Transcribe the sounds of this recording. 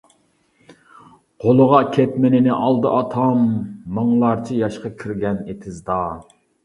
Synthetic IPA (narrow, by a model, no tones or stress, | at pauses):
qolˠəʁɑkʲʰɛt̪mɪnɪnɪʔɑlˠd̪ɨʔɑt̪ʰɑmːɨŋlˠɑɾt͡ʃʰijɑʃqɑkʲʰiɾɡʲɛnet̪ʰɪzd̪ɑ